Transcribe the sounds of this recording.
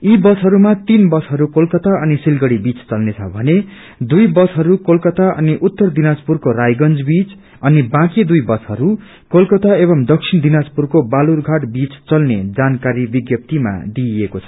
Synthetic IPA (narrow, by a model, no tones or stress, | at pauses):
ibʌsɦʌɾumat̪inbʌsɦʌɾukolkʌt̪aʌnisilɡʌɽibit͡st͡sʌlnet͡sʰʌbʱʌne | d̪ujbʌsɦʌɾukolkʌt̪aʔʌ̰niʔut̪ːʌrd̪inad͡zpurkorajɡʌnd͡zbit͡s | ʌnibãkid̪ujbʌt͡sɦʌɾu | kolkʌt̪aeβʌmd̪ʌksʰind̪inad͡zpurkobalurɡʱaʈbit͡st͡sʌlned͡zankaɾibiɡjʌp̚t̪ima̰d̪iekot͡sʰʌ̥